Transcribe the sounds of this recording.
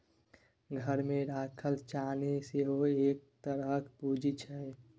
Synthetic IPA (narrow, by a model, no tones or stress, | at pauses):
ɡʱəɾmẽɾaːkʰəlt͡ʃaːneseɦoeːk̚t̪əɾəkʰpuːd͡ʒit͡ʃʰəe